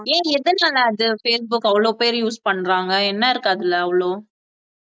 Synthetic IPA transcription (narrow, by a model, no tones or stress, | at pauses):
ẽːɛðɯnaːlɐɐðɯfeːsbʊkːɐʋɐɭoːpeːɾjuːspɐɳːɾaːŋɡɐɛnːɐɪɾɯkːaːðɪlːɐɐʋɐɭoː